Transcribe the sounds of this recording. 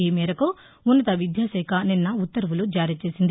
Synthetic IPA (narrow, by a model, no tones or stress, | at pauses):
eːmɛːɾɐku | unːɐt̪ɐʋid̪jaːsɛːkʰɐninːɐut̪ːɐɾʋulud͡ʒaːɾit͡ʃe̞ːsind̪i